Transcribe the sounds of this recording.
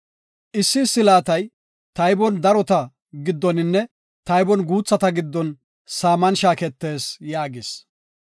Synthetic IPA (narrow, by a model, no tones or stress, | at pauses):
ʔɪsːɪsːɪlaːt̪ɐj | t̪ɐjbɔnd̪ɐɾɔt̪ɐ | ɡɪd̪ːɔnɪnːɛ | t̪ɐjbɔnɡuːt͡sːɐt̪ɐɡɪd̪ːɔn | saːmɐnʃaːkɛt̪ːe̞ːsjaːɡɪs